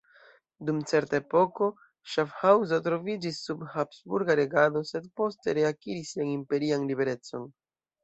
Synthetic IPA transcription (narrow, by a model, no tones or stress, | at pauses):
dumt͡se̞ɾtaepo̞ko̞ | ʃafhawzotɾo̞vid͡ʒisːubhapsbuɾɡaɾe̞ɡado̞se̞dpo̞ste̞ɾe̞akiɾisanimpe̞ɾianlibe̞ɾe̞t͡so̞̰n